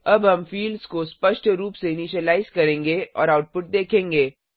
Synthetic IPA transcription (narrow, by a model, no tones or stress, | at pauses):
ɐbɦɐmfiːlɖzkospɐʃʈɾuːpseɪniːʃəlaːɪzkɐɾẽːŋɡeʔɔːɾaːʊʈ̚pʊʈ̚d̪eːkʰẽːŋɡeː